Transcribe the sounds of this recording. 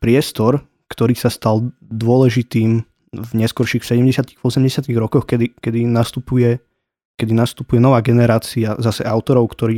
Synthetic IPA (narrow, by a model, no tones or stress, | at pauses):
pɾɪɛst̪ɔɾ | kt̪ɔɾiːsast̪al | d̪ʊɔlɛʒit̪iːm | vɲɛskɔɾʃixsɛɟɛmɟɛsɪat̪iɣvɔsɛmɟɛsɪat̪iɣɾɔkɔxkɛd̪ikɛd̪inast̪upujɛ | kɛd̪inast̪upujɛnɔʋaːɡɛnɛɾaːt͡siazasɛʔaʊt̪ɔɾɔʊkt̪ɔɾiː